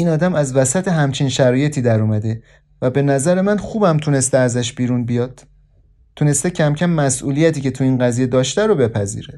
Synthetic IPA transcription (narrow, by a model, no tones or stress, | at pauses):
ʔiːnɒːd̪æmæzvæsæt̪ʰeɦæmt͡ʃʰinʃæɾɒːje̞t̪ʰiːd̪æɾɔmæd̪e̞ | væbe̞næzæɾe̞mænxuːbæmt̪ʰune̞st̪eæzæʃbiːɾunbijɒd̪̥ | t̪ʰːune̞st̪ecʰæmcʰæmːæsʔuːlijæt̪ʰiːce̞t̪ʰuiːnɢæziːje̞d̪ɒːʃt̪æɾobe̞pʰæzḭːɾe